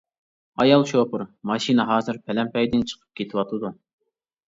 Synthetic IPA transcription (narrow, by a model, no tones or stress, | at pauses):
ɑjɑlˠʃopʰʊɾmɑʃinɨɦɑːzɨɾpʰɛlɛmpɛjd̪ɪnt͡ʃʰə̥qʰə̥p̚kʲʰet̪ʰɪwɑt̪ʰɨd̪u